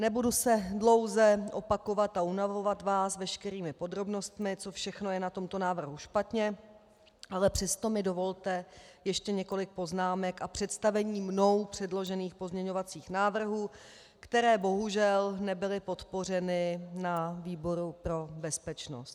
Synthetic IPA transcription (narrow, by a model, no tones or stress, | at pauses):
nɛbudusɛdlo̞wzɛʔo̞pako̞vat̪aunavo̞vat̪vaːsvɛʃkɛɾiːmɪpo̞d̪ɾo̞bno̞st̪mɪt͡sofʃɛxno̞jɛnat̪o̞mt̪o̞naːvr̩ɦuʃpat̪ɲɛ | ʔalɛpr̥ɛst̪o̞mɪdo̞vo̞lt̪ɛjɛʃcɛɲɛko̞lɪk̚po̞znaːmɛkapr̝̥ɛt̪st̪avɛɲiːmno̞wpr̝̥ɛdlo̞ʒɛniːxpo̞zmɲɛɲo̞vat͡siːxnaːvr̩ɦuː | kt̪ɛɾɛːbo̞ɦuʒɛlnɛbɪlɪpo̞t̪po̞r̝ɛnɪnaviːbo̞ɾupɾo̞bɛspɛt͡ʃno̞̰st̪̚